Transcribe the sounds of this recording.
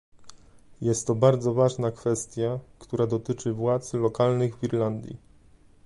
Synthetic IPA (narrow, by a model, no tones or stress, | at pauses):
jɛst̪ːɔbaɾd̪zɔvaʐnakfɛst̪ʲjakt̪uɾad̪ɔt̪ɘt͡ʂɘvwat̪slɔkalnɘɣvʲiɾland̪ʲjḭ